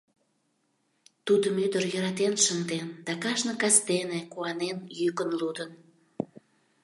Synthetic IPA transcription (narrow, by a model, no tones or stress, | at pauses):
t̪ud̪əmød̪ərjəɾɑt̪enʃəŋd̪end̪̥ɑkɑʃnə̆kɑsd̪enekuɑnenjykənlud̪ən